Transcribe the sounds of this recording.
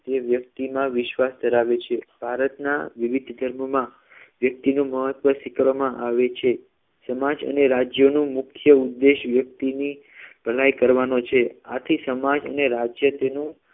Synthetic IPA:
t̪eʋjək̚t̪imãʋɪʃʋasd̪əɾaʋet͡ʃʰeb̥ʱaɾət̪na̰ʋiʋid̪ʱd̪ʱəɾməmã | ʋjək̚t̪inũməɦət̪ʋəsɪkɾamãʔaʋet͡ʃʰe | səmad͡ʒə̰neɾad͡ʒjonũmukʰjəud̪ːeʃʋjək̚t̪ini | b̥ʱəlajkəɾʋanot͡ʃʰeat̪ʰisəmad͡ʒə̰neɾad͡ʒjət̪enũ

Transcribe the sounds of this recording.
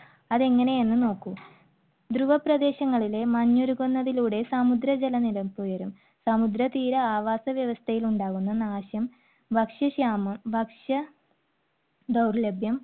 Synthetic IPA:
ɐðe̞ŋːɐne̞je̞nːɨno̞ːkːu | d̪ɾuʋɐprɐd̪e̞ːɕɐŋːɐɭile̞mɐɲːoɾuɣonːɐðiluːɽe̞samud̪ɾɐd͡ʑelɐnilɐmpojɐɾum | sɐmud̪ɾɐt̪iːɾɐaːʋaːsɐʋjɐʋɐst̪ʰɐjiluɳɖaːɣunːɐnaːɕjɐm | bʱɐkʂɐɕaːmɐmbʱɐkʂɐ | d̪ɐwrlebʱjɐm

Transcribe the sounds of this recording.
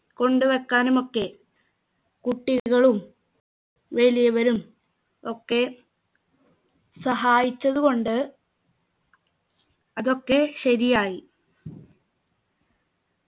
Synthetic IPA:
ko̞ɳɖuʋekːaːnumo̞kːe̞ | kuʈːiɣɐɭum | ʋe̞ɭijɐʋɐɾum | o̞kːe̞ | sɐɦaːjit͡ɕːɐðuɣo̞ɳɖɨ | ɐðo̞kːe̞ɕɐɾijaːji

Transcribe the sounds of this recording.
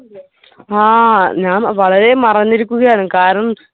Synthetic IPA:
aːɲaːnʋɐɭɐɾe̞mɐrɐɲːiɾikʲːuɣɐjaːɳɨkaːɾɐɳɐm

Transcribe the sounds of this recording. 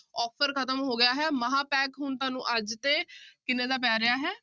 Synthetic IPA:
ɔːpʰəɾkʰət̪əmɦoːɡɪjaːɦɛːməɦãːpɛːkɦʊnt̪ãːnṵ̃ːʔəd͡ʒt̪eːkɪnẽːd̪aːp̬ɛːɾɪjaːɦɛː

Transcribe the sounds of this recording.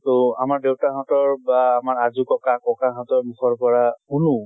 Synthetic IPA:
tɔamaɹdewtaɦɔ̃tɔɹbaːmaɹazukɔkakɔkaɦɔ̃tɔɹmuxʰɔɹpɔɹaunũ

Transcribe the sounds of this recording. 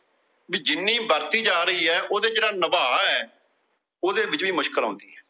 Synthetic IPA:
biːd͡ʒɪnːiːbəɾt̪iːd͡ʒaːɾəiːɦɛːʔoːd̪eːd͡ʒeːɽaːnəbaːɛː | oːd̪eːbɪt͡ʃʋiːmʊʃkəlɦɔ̰̃ːnd̪iːɦɛː

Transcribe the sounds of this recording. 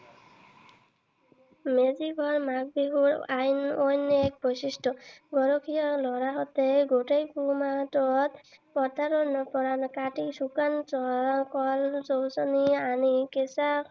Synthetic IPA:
meziɡʱɔɹmak̚biɡuɾajnɔjnɛk̚bɔjsistɔɡɔɾɔkʰijɔlɔɾaɦɔt̪eɡotejkumatɔt̪pɔt̪aɾɔnɔpɔɾankaʈiksukansɔkɔlsɔwsɔnianikesa

